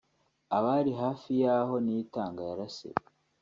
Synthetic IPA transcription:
aβaɾiɦaːfijaːɦo̞nijitaːŋɡajaɾasḛ

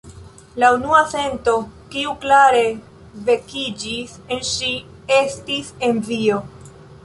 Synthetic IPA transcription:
launuase̞nto̞kiuklaɾe̞ | ve̞kid͡ʒis | e̞nʃi | e̞stise̞nvio̞

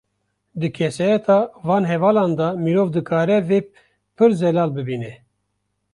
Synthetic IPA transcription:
d̪ɨkʰɛsɑːjɛt̪ʰɑːvɑːnɦɛvɑːlɑːnd̪ɑmiɾoːvd̪ɨkʰaːɾɛveː | pʰɨɾzɛlaːlbɨbiːnɛ

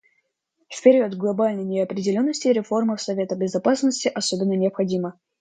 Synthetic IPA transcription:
fpʲɪɾʲiət̪ɡlˠɐbalʲnəjnʲɪɐpɾʲɪdʲɪlʲo̞nːəsʲtʲɪɾʲɪfo̞rməfsɐvʲe̞t̪əbʲɪzɐpasnəsʲtʲɪʔɐso̞bʲɪnːənʲɪɐpxɐdʲimə

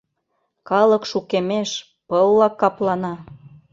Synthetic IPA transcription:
kɑlɤ̆kʃukemeʃ | pɤlːɑkːɑplɑnɑ

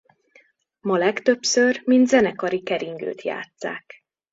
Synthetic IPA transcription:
mɒlɛkt̪ø̞psørmind̪zɛnɛkɒɾikɛɾiŋɡø̰ːt̪ja̰ːt̪sa̰ːk

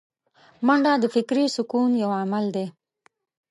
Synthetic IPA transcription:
maɳɖad̪əfɪkɾisʊkunjawamald̪e

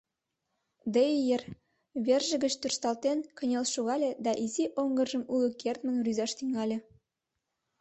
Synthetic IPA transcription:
d̪ejjer | βerʒə̆ɡə̆t͡ɕt̪yrst̪ɑlt̪enkə̆nʲelʃuɣɑlʲĕd̪ɑʔiziʔoŋɡə̆rʒə̆mulukert̪mə̆nryzɑʃt̪yŋɑlʲĕ

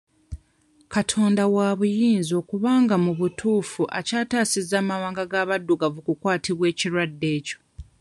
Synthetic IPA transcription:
katʰo̞ːndawaβujiːnzo̞ːkuβaːŋɡamuβutʰuːfuʔacaːtaːsizaːmawaːŋɡaɡaːβadːuɡavukukwaːtiβwe̞ːciɾwadːe̞ːco̞̥

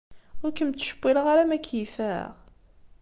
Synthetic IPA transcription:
ʊɾkːəmt̪ːʃə̥bːiləʁaɾamækːjifæʁ

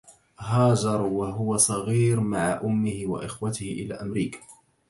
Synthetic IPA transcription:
ɦaːd͡ʒɑɾˤwaɦʊwasˤɑɣiːɾmaʕaʔʊmːɪhɪwa̰ʔɪxwat̪ɪhɪʔɪla̰ːʔamɾiːkḁ

